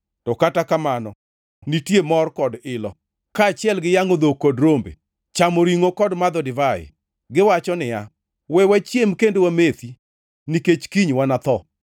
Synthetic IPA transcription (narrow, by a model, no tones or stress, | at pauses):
tɔkatakamanɔ | nitjemɔrkɔdɪlɔ | kaːt͡ʃɪɛlɡɪjaŋod̪okodɾombḛ | t͡ʃamoɾiŋokɔdmad̪ɔdɪvaɪ̰ | ɡɪwat͡ʃɔnɪja | wɛwat͡ʃjemkendowamet̪i | niket͡ʃkiɲwanat̪ɔ